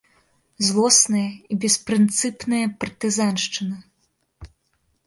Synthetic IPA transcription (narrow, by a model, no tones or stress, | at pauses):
zlˠɔsnɐjɐibʲɛspɾɨnt̪sɨpnɨjɐpɐrt̪ɨzanʂt͡ʂɨnɨ